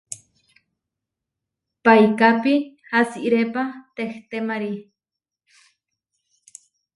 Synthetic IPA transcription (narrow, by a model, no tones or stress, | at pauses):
pajkapihasiʔɾepat̪eht̪emaɾi